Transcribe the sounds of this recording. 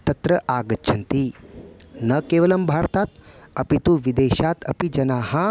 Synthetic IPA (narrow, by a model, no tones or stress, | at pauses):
t̪ɐt̪ɾɐʔaːɡɐtːt͡ʃʰɐnt̪iː | nɐkeːʋɐlɐmbʱaːɾt̪aːt̪ɐpit̪uːʋid̪eːɕaːt̪ɐ̰pid͡ʒɐnaːɦã